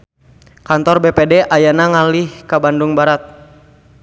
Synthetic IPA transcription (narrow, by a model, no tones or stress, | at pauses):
kant̪ɔrbepedɛʔajanaŋalihkabanduŋbaɾat̪̚